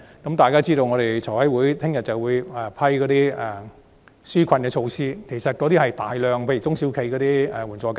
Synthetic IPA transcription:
kɐ˨˥mt̪aː˨jkaː˥t͡siː˥t̪o˧wŋɔː˨˧ɾe˨jt͡ʃʰɔː˨˩hɐ˨˥jwuː˨˥jt̪ʰɪ˥ŋjɐ˨˩t̚t͡sɐ˨wuː˨˧jɛ˨pʰɐ˥jkɔː˨˧t̪iː˥ɛ˨˩ | syː˥kʰɐ˧nkɛː˧t͡ʃʰo˧wsiː˥kʰe˨˩jsɐ˨t̚kɔː˨˧t̪iː˥hɐ˨˩jt̪aː˨jlœː˨ŋpʰe˧jt͡sʊ˥ŋsi˨˥wkʰe˧˥jkɔː˨˧t̪iː˥ɛ˨˧wuː˨˩nt͡sɔː˨˧k

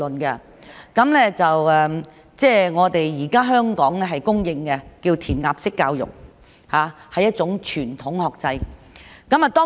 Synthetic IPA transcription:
ɵ˨˩nkɛ˧ | kɐ˨˥mlɛː˥t͡sɐ˨wɛ˧m | t͡sɛː˥˩ŋɔː˨˧t̪e˨jjiː˨˩kaː˥ɦœː˥ŋkɔː˨˥ŋlɛː˥ɦɐ˨jkʊ˥ŋjɪ˧ŋkɛ˧kiː˧wt̪ʰiː˨˩nŋaː˨p̚sɪ˥kːaː˧wjʊ̰˨˩k̚ | haː˨˧hɐ˨jːɐ˥t̚t͡sʊ˨˥ŋt͡ʃʰyː˨˩nt̪ʰʊ˨˥ŋhɔː˨k̚t͡sɐ˧jkɐ˨˦mɐ˨t̪ɔː˥

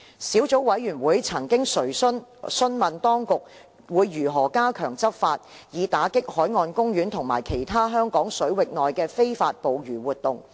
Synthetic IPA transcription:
siː˨˥wt͡so˨˥wwɐ˨˥jɥyː˨˩nwuː˨˧jt͡sʰɐ˨˩ŋkɪ˥ŋsɵ˨˩ɥnsɵ˥nmɐ˨nt̪ɔː˥ŋkʊ˨k̚ | wuː˨˧jːyː˨˩ɦɔː˨˩kaː˥kʰœː˨˩ŋt͡sɐ˥p̚faː˧t̚ | jiː˨˧t̪aː˨˥kɪ˥k̚hɔː˨˥jŋɔː˧nkʊ˥ŋɥyː˨˥nt̪ʰʊ˨˩ŋma̰ː˨˩jkʰe˨˩jt̪ʰaː˥ɦœː˥ŋkɔː˨˥ŋsɵ˨˥ɥwɪ˨k̚nɔː˨jkɛː˧fe˥jfaː˧t̚po˨wɥyː˨˩wuː˨t̚t̪ʊ˨ŋ

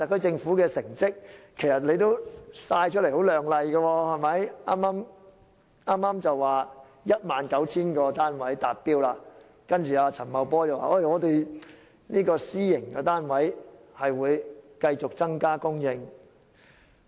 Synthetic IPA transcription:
a˨kʰɵ˨˥t͡sɪ˧ŋfuː˨˥kɛː˧sɪ˨˩ŋt͡sɪ˥k̚ʰː | e˨˩jsɐ˨t̚le˨˥jt̪o˥wsaː˧jt͡ʃʰɵ˥lho˨˥wlœː˨˩ŋlɐ˨jɡɐ˧wɔː˧hɐ˨˩jmɐ˨˥ja̰ː˥maː˥m | aː˥mːaː˥mt͡sɐ˨wwaː˨ | jɐ˥t̚maː˨nkɐ˨˥wt͡sʰiː˥nkɔː˧t̪aː˥nwɐ˨˥jt̪aː˨t̚piː˥wlaː˧ | kɐ˥nt͡ʃyː˨˩aː˧t͡sʰɐ˨˩nmɐ˨˧wpɔː˥t͡sɐ˨wa̰ː˨ʔo˥˩ŋɔː˨˧t̪e˨j | niː˥kɔː˧siː˥jɪ˨˩ŋkɛ˧t̪aː˥nwɐ˨˥jhɐ˨jwuː˨˧jkɐ˧jt͡sʊ˨k̚t͡sɐ˥ŋkaː˥kʊ˥ŋjɪ˧ŋ

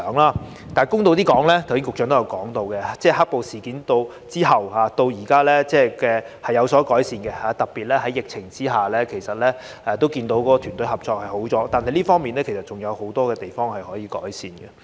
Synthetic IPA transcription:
ŋlaː˥ | t̪aː˨˩jkʊ˥ŋt̪o˧wt̪̬iː˥kɔː˨˥ŋlɛː˥t̪ʰwsiː˥ŋkʊ˨k̚t͡ʃœː˨˥ŋt̪o˥jɐ˨˧wkɔː˨˥ŋt̪o˧wkɛ˧t͡sɛː˥˩ɦaː˥k̚po˨wsiː˨˩kiː˨˥nt̪o˧w | t͡siː˥ɦɐ˨whaː˨˧˥t̪o˧wjiː˨˩kaː˥lɛː˥t͡sɛː˥˩kɛː˧ | hɐ˨jːɐ˨˧wsɔː˨˥kɔː˨˥jsiː˧nɡɛ˧haː˨˧t̪ɐ˨k̚pːiː˨t̚lɛː˥ɦɐ˨˥jɪ˨k̚t͡sʰɪ˨˩ŋt͡siː˥ɦaː˨lɛː˥kʰe˨˩jsɐ˨t̚lɛː˥ | ɛː˨˧t̪o˥wkiː˧nt̪o˨˥wkɔː˨˧˥ɔ˧t̪ʰyː˨˩nt̪ɵ˨˥ɦɐ˨p̚t͡sɔː˧k̚hɐ˨jho˨˥wt͡sɔː˨˥t̪aː˨nɦɐ˨jliː˥fɔː˥ŋmiː˨nlɛː˥kʰe˨˩sɐ˩t̚t͡sʊ˨˩ŋjɐ˨˧who˨˥wt̪ɔː˥kɛː˧t̪e˨jfɔː˥ŋhɐ˨jhɔː˨˥jiː˨˧kɔ̰ː˨˥jsiː˨˧nɡɛ˧

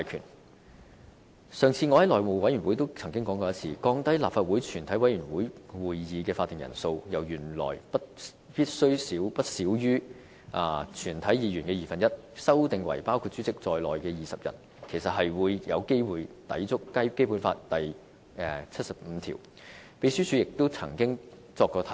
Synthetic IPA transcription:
aː˨jkʰy̰ː˨˩n | sœː˨ŋt͡sʰiː˧ŋɔː˧hɐ˨˥lɔː˨jmo˨˩wɐ˨˥jyː˨˩nwu˨˥jt̪o˥wt͡sʰɐ˨˩ŋkɪ˥ŋkɔː˨˥ŋkɔ˧jɐ˥t̚t͡sʰiː˧kɔː˧ŋt̪ɐ˥jla̰ː˨p̚faː˨t̚wuː˨˥jt͡ʃʰyː˨˩nt̪ʰɐ˨˥jwɐ˨˧˥jɥyː˨˩nwuː˨˥jwuː˨jːiː˨˧kɛː˧faː˧t̪ːɪ˨ŋjɐ̰˨˩nso˧wjɐ˨˩wjyː˨˩nlɔ̰ː˨˩jpɐ˥t̚ | piː˥t̚sɵ˥ɥsiː˨˥wpɐ˥t̚siː˨˥wjyː˥ | ʔaː˨˧t͡ʃʰyː˨˩nt̪ʰɐ˨˥jiː˨˧jyː˨˩nkɛː˧jiː˨˩fɐ˨njɐ˥t̚sɐ˥wt̪ɪ˨ŋwɐ̰˨˩jpaː˥wkʰu˧t̚t͡syː˨˥t͡sɪ˨k̚t͡sɔː˨jlɔː˨jkɛː˧jiː˨˩sɐ˨p̚jɐ̰˨˩t̚ | kʰe˨˩jsɐ˨t̚ɦɐ˨jwuː˨˧jjɐ˨˧wke˥jwuː˨jt̪ɐ̰˨˥jt͡sʊ˥k̚kɐ˥jke˥jpu˨˥nfa̰ː˧t̚t̪ɐ˨j | ɛ˨t͡sʰɐ˥t̚sɐ˨p̚m̩ː˨˧t̪ʰḭː˨˩w | pe˨˧jsyː˥t͡sʰy˨˥jɪ˨k̚t̪o˥wt͡sʰɐ̰˨˩ŋkɪ˥ŋ | t͡sɔː˧kːɔː˧t̪ʰɐ˨˦˥

